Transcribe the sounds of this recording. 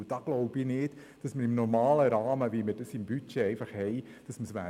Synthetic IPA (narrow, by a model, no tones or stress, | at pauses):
d̥ɑːɡ̥lɔʊbinɪːd̥ | d̥ɑsməɾɪmnɔɾmɑːləɾɑːməviːməɾd̥ɑsɪmbyt͡ʃeɛɪfɑχhɛɪ | d̥ɑsməsʋæ̰ː